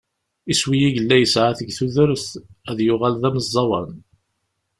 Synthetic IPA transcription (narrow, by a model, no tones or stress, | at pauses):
iswijiʝəlːæjəsʕaθəɡθuðɾəθæðjʊʁælðæməzˤːɑwɑn